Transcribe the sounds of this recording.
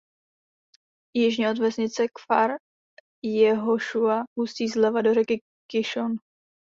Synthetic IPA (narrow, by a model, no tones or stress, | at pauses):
jɪʒɲɛod̪vɛsɲɪt͡sɛkfaɾ | jɛɦoʃuaɦusciːzlɛvadoɾɛkɪ | kɪʃon